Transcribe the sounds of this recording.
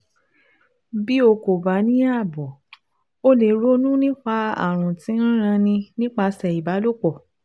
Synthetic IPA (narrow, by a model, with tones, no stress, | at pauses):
bi˦o˧ko˨ba˨˦nĩ˦a˦˨bɔ˨ | o˦le˧˨ɾo˦nũ˦nĩ˦k͡pa˧a̰˦˨ɾ̃ũ˨tĩ˨˦ñ̩˦ɾ̃ã˧nĩ˧nĩ˦k͡pa˧sɛ˨i˨ba˨˦lo˦˨k͡pɔ˨